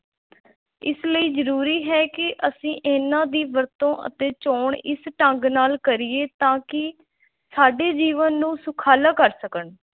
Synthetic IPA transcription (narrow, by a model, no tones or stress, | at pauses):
ɪ̰sləiːzəɾuːɾiːɦɛːkɪʔəsĩːʔeːnãːd̪iːʋəɾt̪õːʔə̰t̪eːt͡ʃoːɳɪ̰sʈəŋɡnaːlkəɾɪeːt̪ãːkɪ | saːɖeːd͡ʒiːʋənːũːsʊkʰaːlaːkəɾsəkəɳ